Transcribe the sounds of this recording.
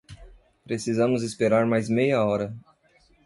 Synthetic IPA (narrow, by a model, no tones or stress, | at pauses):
pɾesizɐ̃mʊzispeɾaɾmajzmejɐɔɾɐ